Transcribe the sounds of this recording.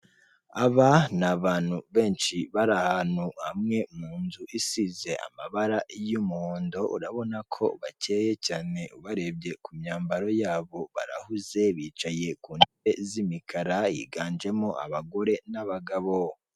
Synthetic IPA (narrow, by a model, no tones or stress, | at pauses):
aβanaβaːn̥huβe̞ːnʃiβaɾahanhuhamŋe̞muːnzuʔisize̞ʔa̰maβaɾajumuhoːndo̞ʔṵɾaβo̞nakʰo̞̰βace̞ːje̞caːne̞ʔuβaɾe̞b̚ɟe̞kumɲaːmbaɾo̞jaːβo̞βa̰ɾa̰huze̞βiːt͡ʃaje̞kuːndeβe̞zimikʰaɾajḭɡaːnd͡ʒe̞moʔa̰βaɡo̞ɾe̞naβaɡaβo̞